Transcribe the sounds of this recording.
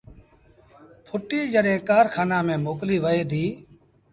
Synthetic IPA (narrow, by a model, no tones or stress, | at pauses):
pʰʊʈiːd͡ʒəɗɦẽːkaːɾkʰaːnãːmẽːmoːkliːʋəeːd̪iː